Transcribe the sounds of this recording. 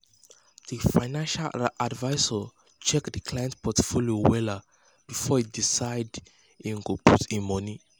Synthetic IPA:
ð̥ifajnãnʃalʔadvajsə | t͡ʃɛkdəkʰlajɛ̃ntpʰɔtfoljowɛla | b̥ifɔidisaɪd | ĩnɡopʰutĩmɔni

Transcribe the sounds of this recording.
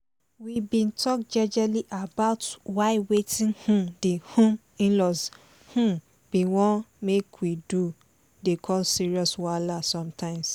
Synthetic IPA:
wibĩntʰɔkd͡ʒɛd͡ʒɛliʔabaʊtwaɪwetĩnhũdehõm | ĩnlɔs | hũ | b̥iwɔ̃nmekʰwidu | dekʰɔlsiɹiɔswalasɔ̃mtʰãɪ̃ms

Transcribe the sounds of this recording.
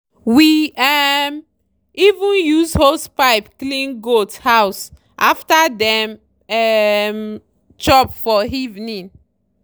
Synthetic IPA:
wiɛm | ivũnjuzhospaɪpklĩnɡothaws | ʔaftadɛ̃m | ɛm | t͡ʃɔpfɔivnĩn

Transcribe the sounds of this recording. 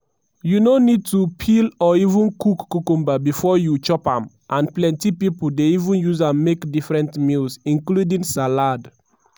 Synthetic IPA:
junonid̚tupʰilɔivũnkukːukũmbabifɔjut͡ʃɔpã̰m | ʔãnplɛ̃ntipipuldeivũnjuzãnmekdifɹɛ̃ntmilsĩnkludĩŋsalad

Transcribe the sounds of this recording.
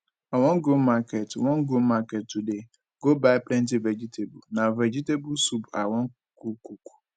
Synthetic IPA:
awɔ̃nɡomakʰɛtwɔ̃ŋɡomakʰɛt̚tʰude | ɡ̥obaɪpʰlɛ̃ntɪvɛd͡ʑitʰebṵnãvɛd͡ʑitebusuba̰wɔ̃ŋ | kukʰukʰu̥

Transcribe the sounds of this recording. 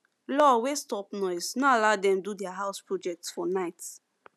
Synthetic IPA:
lɔwestɔpnɔɪsnɔalaʊdɛ̃mdudɛaɦaʊspɹɔd͡ʒɛk̚tsfɔnaɪt

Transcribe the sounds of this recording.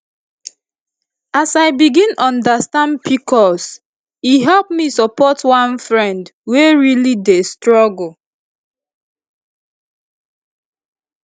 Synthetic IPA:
asaɪbiɡĩnʔɔ̃ndastãndbikʰɔs | iɦɛlpmisɔpʰɔtwãnfɹɛ̃ndweɹilidestɹɔɡl

